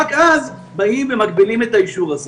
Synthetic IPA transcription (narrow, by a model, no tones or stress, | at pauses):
kʔaz | baimvemakbilimet̪aiʃuʁaz